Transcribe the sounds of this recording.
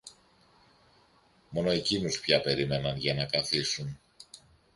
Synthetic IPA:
mo̞no̞e̞cinuspçɐpe̞ɾime̞nɐnʝɐnɐkɐθisun

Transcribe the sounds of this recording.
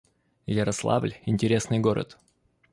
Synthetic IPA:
jəɾɐslˠa̰vlʲɪnʲtʲɪɾʲe̞snɨjɡo̞ɾə̰t̪

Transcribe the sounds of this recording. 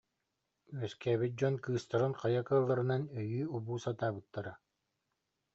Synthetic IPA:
œskɛːβit̪̚d͡ʑɔnkɯːst̪aɾɯnqajakɯːlˠːaɾɯnanœjyːubuːsat̪aːbɯt̪ːaɾa

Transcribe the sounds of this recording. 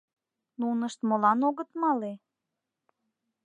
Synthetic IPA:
nunəʃt̪molɑnoɣət̪mɑle

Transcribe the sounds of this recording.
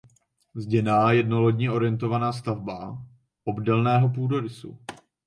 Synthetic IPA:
zɟɛnaːjɛdnoloɟɲɛʔo̞ɾɪjɛnt̪̬o̞vanaːs̬t̪avba | ʔobdɛlnɛːɦo̞p̬uːdoɾɪsṵ

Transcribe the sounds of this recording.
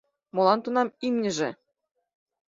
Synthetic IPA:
mɤ̆lˠɑnt̪unɑmimnʲɘ̆ʒĕ

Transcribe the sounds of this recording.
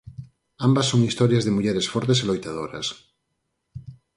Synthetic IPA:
ambasːoŋist̪oɾjazðemuʎeɾesfoɾt̪̬eselojt̪að̞oɾa̰s

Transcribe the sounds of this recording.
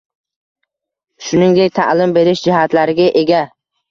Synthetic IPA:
ʃʊnɪŋd̪ek̚ʲt̪ʰa̰ʔlɪmbe̞ɾɪʃd͡ʒɪɦat̪laɾɪɡʲaʔe̞ɡʲa

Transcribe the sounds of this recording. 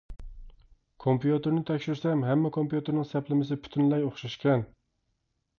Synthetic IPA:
kʰompijut̪ʰeɾnɪt̪ʰɛkʲʃɪɾsɛmɦæmːɛkʰompijut̪eɾnɪŋsæplɪmɪsɪpʰʊ̥t̪ʰɪnlɛjoχʃaʃkʲɛn

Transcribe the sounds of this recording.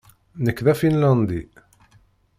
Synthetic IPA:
nəkːðæfinlɑnd̪i

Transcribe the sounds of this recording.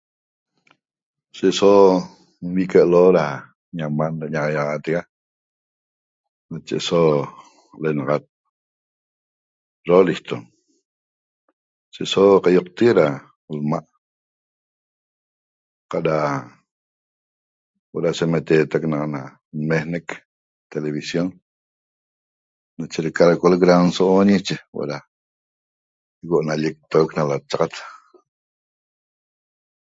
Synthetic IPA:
seʔso | mwikəʔloɾah | ɲamandaɲaʔajaʔat̪iɡa | nat͡ʃɛ̰ʔso | lenaɣat̪̚ | ɾoliht̪ɔ | seʔsoqajuk̚t̪iɾa | lmaʔ | qaʔɾa | wa̰ɾaʃemet̪eːt̪aknaqna | nmehnek | t̪eleβisjon | nat͡ʃeɾikaɾakolikɾansoʔonit͡ʃewa̰ʔɾa | ikoʔnalik̚t̪oknalat͡ʃaqat̪

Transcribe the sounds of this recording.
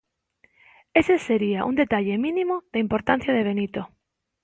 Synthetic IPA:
eseseɾiaʔṵnd̪et̪aʎemĩnĩmoðaimpoɾt̪an̟θjaðeβ̞enit̪o

